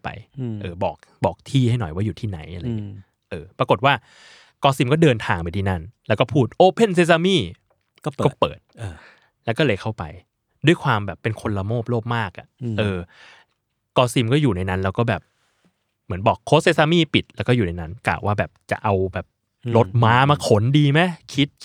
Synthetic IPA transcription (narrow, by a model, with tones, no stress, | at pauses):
pa̰˧jʔɤː˧˩bɔ̰ː˨˩k̚ | bɔː˨˩k̚t̪ʰiː˥˩ha˥˩jnɔ̰˨˩jwaː˥˩juː˨˩t̪ʰiː˥˩na̰˩˦jʔa˧ɾa˧˦ŋi˦˥ | ʔɤː˧˩pɾa˧ko˨˩t̪̚waː˥˩ | kɔː˧si˧mkɔː˥˩dɤː˧nt̪ʰaː˧ŋpa˧jt̪ʰiː˥˩na˥˩nlɛ˦˥wkɔː˥˩pʰuː˥˩t̪̚ʔoː˧pʰe˥˩nseː˦˧˥s̬a˧miː˥˩ | kɔː˥˩pɤː˨˩t̪̚ː | lɛ˦˥wkɔ˥˩lɤː˧jkʰa˥˩wpa̰˧j | du˥˩əjkʰwaː˧mbɛː˨˩pːe˧nkʰo˧nla˧moː˥˩p̚loː˥˩p̚maː˥˩k̚ʔa̰˨˩ʔʔɤː˧ | kɔː˧si˧mkɔː˥˩juː˨˩na˧jna˦˥nlɛː˦˥wkɔː˥˩bɛː˨˩p̚ | mɯ˩˦ənbɔː˨˩kʰːoː˦˥t̪seː˧˥saː˧miː˥˩pi˨˩t̪̚lɛː˦˥wkɔː˥˩uː˨˩na˧jna˦˥nkla̰ː˨˩waː˥˩bɛː˨˩p̚t͡ɕa̰˨˩ʔa˧wbɛː˨˩p̚ | lo˦˥t̪̚maː˦˥maː˧kʰo˩˦ndiː˧ma˦˥jkʰi˦˥t̪̚